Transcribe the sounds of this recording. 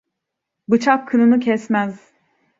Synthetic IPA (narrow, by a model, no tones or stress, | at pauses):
bɯt͡ʃʰakʰːɯnɯnɯcʰɛsmæz̥